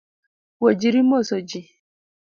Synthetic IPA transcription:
wod͡ʒiɾimosɔd͡ʒi

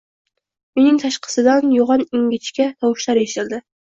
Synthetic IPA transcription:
unɪŋt̪ʰɑʃqʰɨ̥sɨd̪anjoʁɑnɪŋɡʲɪt͡ʃkʲat̪ʰɒwʊʃlaɾeʃt̪ɪlˠd̪ɪ

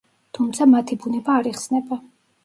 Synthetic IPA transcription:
t̪ʰumt̪sʰamat̪ʰibunɛbaːɾiχsnɛba

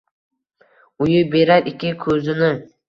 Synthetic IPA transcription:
ʊjʊbe̞ɾaɾɪkʲɪkʰɵzɪnɪ

